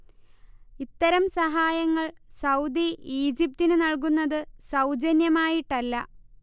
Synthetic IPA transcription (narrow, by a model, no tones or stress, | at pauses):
it̪ːɐɾɐmsɐɦaːjɐŋːɐɭsɐwd̪iiːd͡ʑip̚t̪inɨnɐɭk̬unːɐðɨsɐwd͡ʑɐnjɐmaːjiʈːɐlːɐ